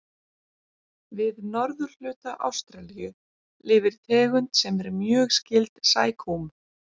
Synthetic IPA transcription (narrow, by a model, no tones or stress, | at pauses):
vɪðnɔɾðʏɾ̥l̥ʏːt̪aʔa̰wst̪ɾalijʏ | lɪːvɪɾ̥t̪ʰɛːɣʏnt̪sɛmɛɾmjœːɣscɪlt̪saːjkʰom